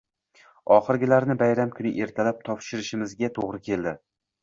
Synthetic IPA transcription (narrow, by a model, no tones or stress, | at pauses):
ɒχɨɾɡʲɪlaɾnɪbajɾamkʰʊnɪ̰ʔe̞ɾt̪ʰalap̚t̪ʰɒpʃɪɾɪʃɪmɪzɡʲat̪ʰoʁɾɪkʲʰe̞ld̪ɪ